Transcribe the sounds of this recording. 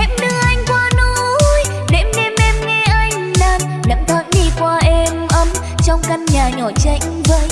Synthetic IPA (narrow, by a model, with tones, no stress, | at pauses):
ʔɛ˧˥mɗɨ˧ʔa˧jŋ̟kwaː˧no˧˦j | ɗe˧˥mnɛ˧mʔɛ˧mŋɛ˧ʔa˧jŋ̟naː˧n | ɗə̰˧˥ŋt̪ʰa̰ː˧˦nɲi˧˩kwaː˧ʔɛ˧mʔə˨˧˦m | t͡ɕɔ˧wŋ͡mka˧ŋnɲaː˨˩ɲɔ˨˩t͡ɕə˧˩jŋ̟və˧˦j